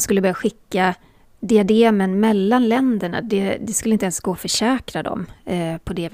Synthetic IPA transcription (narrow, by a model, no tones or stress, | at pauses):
skɵlːəbœɾjaɧɪkːa | d̪ɪad̪eːmənmɛlːanlɛnd̪əɳa̰d̪ɛd̪ɛskɵlːɪnt̪ɛnsɡoːfœʂɛːkɾad̪ɔ̰mpʰɔd̪ɛv